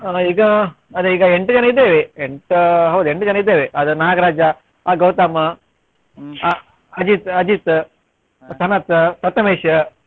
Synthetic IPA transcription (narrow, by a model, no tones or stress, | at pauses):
iːɡɐ | ɐd̪eiːɡɐeɳʈd͡ʒɐnɐid̪eːʋeeɳʈɦɐwd̪ueɳʈud͡ʒɐnɐid̪eːʋeʔɐd̪unaːɡɐɾaːd͡ʒɐ | ɐɡɐwt̪aːmɐ | ɐd͡ʒit̪ɐd͡ʒit̪ | sʰɐnɐt̪t̪ɐt̪ɐmeːʂɐ